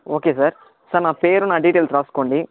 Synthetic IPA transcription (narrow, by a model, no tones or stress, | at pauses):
oːkesɐɾ | sɐɾnaːpeːɾunaːɖiːʈeːlsɾaːskoɳɖi